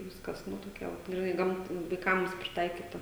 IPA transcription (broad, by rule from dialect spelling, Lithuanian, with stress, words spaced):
ˈʋʲɪskɐs ˈnʊ toːˈkʲɛ ʋɐt ɡrʲɪˈnɐɪ ˈɡɐmt ʋɐɪˈkɐms pʲrʲɪˈtɐɪkʲiːtɐ